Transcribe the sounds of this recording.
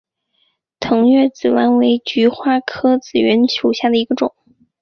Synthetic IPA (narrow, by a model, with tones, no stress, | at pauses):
t̪ʰɤ˧˥ŋɥɛ˥˩t͡sɹ̩˨˩wa˥nwe˧˥ɪt͡ɕy˧˥xwa˥kʰɤ˥t͡sɹ̩˨˩ɥɛ˧˥nt͡ɕʰju˨˩ɕja˥˩d̪ə˩i˧˥ɡə˧ʈ͡ʂʊ˨˩˦ŋ